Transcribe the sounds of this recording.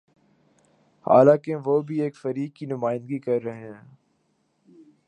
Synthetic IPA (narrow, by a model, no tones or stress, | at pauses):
ha̰ːlãːkeʋoːbʱieːkfɐɾiːkːinʊmaːɪ̃nd̪ɡikɐɾːɐɦeɦɛ̃ː